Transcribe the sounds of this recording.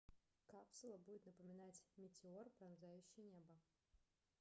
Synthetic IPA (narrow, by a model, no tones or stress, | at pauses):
kapsʊlˠəbudʲɪt̪nəpəmʲɪnatʲmʲɪtʲɪorpɾɐnzajʉɕːɪjnʲebə